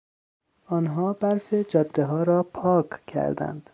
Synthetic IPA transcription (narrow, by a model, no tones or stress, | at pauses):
ɒːnɦɒːbæɾfed͡ʒɒːd̪ːeɦɒːɾɒːpʰɒːkʰcʰːæ̰ɾd̪æ̰nd̪̥